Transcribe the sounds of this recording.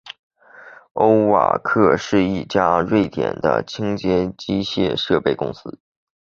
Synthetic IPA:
o˥ʊwa̰˨˩kʰɤ˥˧ʂɻ̩˥˧i˥˩t͡ɕja˥ɻwe˥˩ɪt̪jɛ̰˨˩nd̪ə̰˦t͡ɕʰi˥ŋt͡ɕjɛ˥t͡ɕi˥ɕjɛ˥˧ʂɤ˥˧pe˥˩ɪkʊ̰˥ŋsɹ̩˥

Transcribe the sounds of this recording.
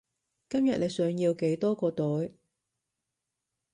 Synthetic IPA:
kɐ˥mjɐ˨t̚le˨˧jsœː˨˧ŋjiː˧wke˨˥jt̪ɔː˥kɔː˧t̪ɵ˨˥j

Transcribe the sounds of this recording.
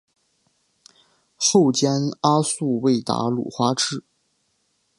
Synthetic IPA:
xo˥˩ʊt͡ɕjɛ˥na˥su˥˧we˥˩ɪt̪a̰˧˥lṵ˨˩xwa˥ʈ͡ʂɻ̩˥˩

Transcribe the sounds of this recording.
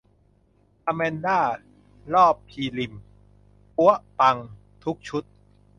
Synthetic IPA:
ʔa˧mɛː˧ndaː˥˩ | lɔː˥˩pʰːiː˧li˨˩m | u˦˥ɐpa˧ŋ | t̪ʰu˦˥k̚t͡ɕʰu˦˥t̪̚

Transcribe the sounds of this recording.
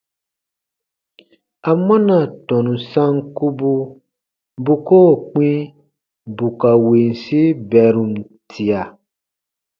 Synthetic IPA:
a˨mã˦na˨tɔ̃˨nũ˨sã˦ŋku˦bu˦ | bu˦koː˦˨k͡pĩ˦ | bu˨ka˨wi˨n˨si˦bɛ˨ɾũ˨n˨ | tʰi˨a˨

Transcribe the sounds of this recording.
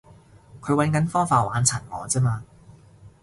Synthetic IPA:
kʰɵ˨˧ɥwɐ˨˥nkɐ˨˥nfɔː˥faː˧waː˨˥nt͡sʰɐ˨˩nŋɔ̰ː˨˥t͡sɛː˥maː˧

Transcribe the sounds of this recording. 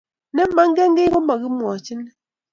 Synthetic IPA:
nɛ˦ma˦ŋ˦ɡɛ˦ŋ˦ɡe˦ɔ˦ma˨ɣi˦mwɔ˨t͡ʃi˦nɛ˦

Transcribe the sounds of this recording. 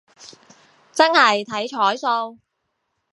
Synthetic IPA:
t͡sɐ˥nhɐ˨jt̪ʰɐ˨˥jt͡ʃʰɔː˨˥jso˧w

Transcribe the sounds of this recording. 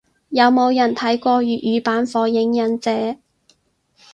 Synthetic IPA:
jɐ˨˧wmo˨˧wjɐ˨˩nt̪ʰɐ˨˥jkʷɔː˧ɥyː˨t̚jyː˨˧paː˨˥nfɔː˨˧jɪ˨˥ŋjɐ˨˧nt͡sɛː˨˥

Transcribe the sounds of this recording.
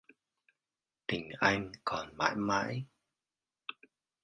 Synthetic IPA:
t̪ï˨˩ŋ̟ʔa˧jŋ̟kɔ˨˩nma̰ː˧˥jma̰ː˧˥j

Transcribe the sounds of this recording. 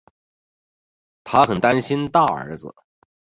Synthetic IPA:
t̪ʰa˥xə˨˩nt̪a˥nɕi˥nt̪a˥˩ə̰˧˥d͡zə̰˧

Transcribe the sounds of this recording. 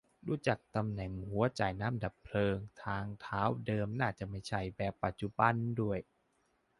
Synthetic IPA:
ɾuː˧˩t͡ɕa˨˩k̚t̪a˧mnɛ˨˩ŋhu˨˦ɐt͡ɕaː˨˩jnaː˧˥˨mda˨˩pʰlɤː˧ŋt̪ʰaː˧ŋt̪ʰaː˦˥wdɤː˧mnaː˥˩t͡ɕa˨˩ma˥˩jt͡ɕʰa˥˩jbɛː˨˩pːa˨t̪̚t͡ɕu˧ba˧ndu˥˩əj

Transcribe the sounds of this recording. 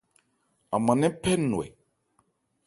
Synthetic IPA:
a˨mã˨nɛ̃˦pɛ˦nũ˨ɛ̰˨

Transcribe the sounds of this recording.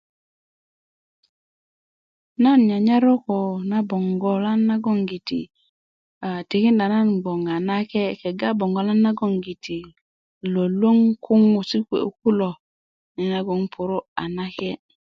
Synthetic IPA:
na˦n˨ɲa˨ɲa˦ɾo˦ko˨na˦bo˨ŋɡo˨la˦nːa˦ɡo˦ŋɡi˨tḭ˨ | a˨ti˨ki˦nda˨na˦nbo˨ŋa˨na˦ke˦ke˨ɡa˦bo˨ŋɡo˨la˦nːa˦ɡo˦˨ŋɡi˨tʰi˨ | lo˨lo˦ŋkʰu˦ŋu˨si˦kʷḛ˨˦ku˦lo˨ | ni˨na˦ɡo˦ŋpʰu˨ɾo˦a˨na˦ke˦

